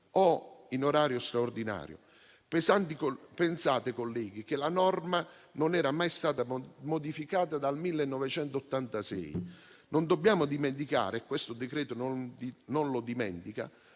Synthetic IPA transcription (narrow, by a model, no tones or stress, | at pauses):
ɔinoɾaːɾjost̪ɾaord̪ina̰ːɾjo̰ | pesant̪ikopensaːt̪ekolːɛːɡ̟ikelanɔrma | nonɛːɾamajst̪aːt̪amod̪ifikaːt̪ad̪almilːenːɔvet͡ʃɛnt̪ot̪ːant̪asɛ̰j | nʔond̪obːjaːmʊd̪iment̪̬ika̰ːɾeːkːwest̪ʊd̪ekɾɛːt̪ononnonlod̪imɛ̰nt̪ika̰